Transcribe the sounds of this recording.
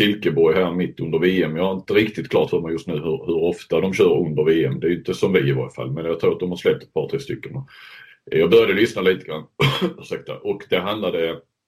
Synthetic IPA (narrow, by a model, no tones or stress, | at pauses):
sɪlkəbɔjɦæːɾmɪt̪ːɵnd̪əɾveːɛmjɑhaɾɪnt̪əɾɪkt̪ɪt̪kʰlɑːt̪hɵɾmɔjɵʂt̪nʉ̟ːhɵɾhɵɾɔft̪ad̪ɔmɕœːɾɵnd̪əɾveːɛmd̪ɛːjɵnt̪əsɔmvɪɪvo̰ːɾfa̰lːmɛnjɑt̪ʰɾuːɾat̪d̪ɔmhaɾʂslɛp̚t̪ɛt̪pɑːɾt̪ʰɾeːst̪ʏkːənɔ | jɑːɡbœɾjad̪əlʏsnaliːt̪əɡɾanːʂak̚t̪a̰ʔɔkd̪ɛɦand̪lad̪ə